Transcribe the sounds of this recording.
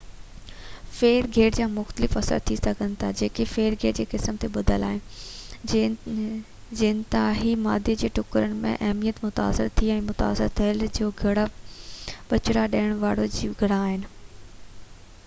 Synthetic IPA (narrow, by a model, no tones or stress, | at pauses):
feːɾɡʱeːʈd͡ʑaːmʊxt̪əlɪfɐsə̰ɾt̪ʰisɐɡʱənɪ̆t̪ʰad͡ʑeːkefeːɾɡʱeːd͡ʑeːkɪsəmt̪ʰeɓɐd̪ʱəla̰ːɦɪnɪ | d͡ʑenɪt̪aɦimaːd̪ʱed͡ʑeːʈʊkɾəɽ̃mḛ̃ʔɐɦmijət̪mʊt̪a̰ːsɪ̰ɾt̪ʰiɛ̃ːmʊt̪a̰ːsɪ̰ɾt̪ʰɐld͡ʑoːɡʱɐɽa | ɓɐt͡ɕɾaɗɐːəɽ̃ʋaːɽod͡ʑiɡʱɐɽaːɦɪnɪ̆